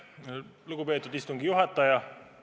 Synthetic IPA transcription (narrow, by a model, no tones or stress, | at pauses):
luɡ̥upe̞ːt̪ːˑud̪ist̪uŋɡ̥ijuɦɑt̪ːˑɑjɑ